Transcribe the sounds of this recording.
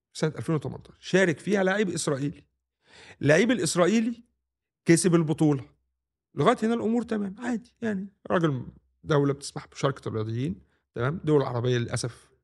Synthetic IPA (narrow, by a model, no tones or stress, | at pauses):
fsænæt̪ʔælfeːnwet̪æmʔɑ̰nt̪ˤɑ̥ːʃˤʃæːɾekfiːhælaʕiːbʔesɾˤɑːʔiːli | lːaʕiːbelʔesɾˤɑːʔiːli | kæsebelbot̪ˤuːlɑ | leɣæːjet̪henælʔomuːɾt̪æmæːmʕaːd̪ijaʕniɾˤɑɡel | d̪æwlæbet̪e̥smaħbe̥ʃɑɾˤkrːejɑd̪ˤejːiːn | t̪æmæːmd̪owælʕɑ̰ɾˤɑbejːɑlelʔæ̰sæf